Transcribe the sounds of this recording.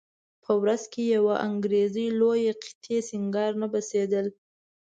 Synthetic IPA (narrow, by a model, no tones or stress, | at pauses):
pʰəwɾazkejawaʔaŋɡɾezəjlojeqi̥t̪ʰesɪŋɡɑɾnabased̪əl